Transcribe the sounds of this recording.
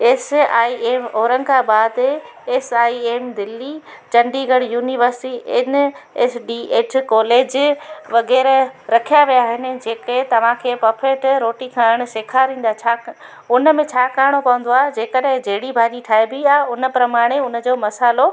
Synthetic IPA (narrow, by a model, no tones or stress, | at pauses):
eːsaːieːmoːɾə̃ŋɡaɓaːd̪ | eːsaːieːmd̪ɪlːi | t͡ɕɐ̃ɳɖiɡɐɽjuːniʋəɾsɪʈiʔɪnesɖiːʔeːʈʰkɔːleːd͡ʑʋɐɣɛːɾɾɐkʰijaʋijaːɦɪnɪ̆d͡ʑeːket̪ɐʋ̤ãkʰeːpɐpʰeːʈɾoːʈikʰãːɪɽ̃ʊ̆ʃeːkʰaɾĩːn̆d̪aːet͡ɕʰaː | ʊnə̆mẽt͡ɕʰaːkaːɾɽ̃opɐʋə̃nd̪oaːɦed͡ʑeːkəɗɦɪ̃d͡ʑeɦɪɽibʱaːʄiʈʰaːɦebiaʊnə̆pɾɐmaːɽ̃eʊnə̆d͡ʑoːmɐsaːlo